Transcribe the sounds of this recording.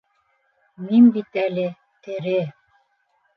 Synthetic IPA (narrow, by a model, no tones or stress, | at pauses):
minbit̪ælɘ | t̪ɘ̆ɾɘ